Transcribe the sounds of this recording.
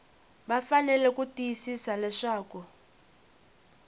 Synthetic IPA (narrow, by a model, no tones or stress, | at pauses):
ɓafanɛlɛkutʼijisisalɛʂaːku